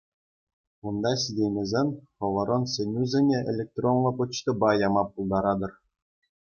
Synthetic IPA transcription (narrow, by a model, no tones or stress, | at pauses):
und̪ɑsʲidʲejmʲĕzʲenʲχɤ̆ʋɤ̆ɾʔɤ̆nsʲenʲuzʲĕnʲeḛlʲek̚t̪ronlˠŏkŭt͡ɕt̪ɤ̆bɑjɑmɑpːulˠd̪ɑɾɑd̪ɤ̆r